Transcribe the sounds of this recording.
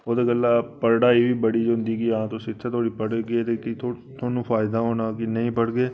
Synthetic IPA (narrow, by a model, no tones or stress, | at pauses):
oːd̪eɡəlːapɐɾɽaibʱibɐɽid͡ʒond̪ikiɐɦãt̪osɪt̪set̪ʰoːɽipɐɽɡiet̪ekit̪ʰo | t̪ʰoːnũfaːɪd̪aɦoːnakinɐɦĩpɐɽɡeː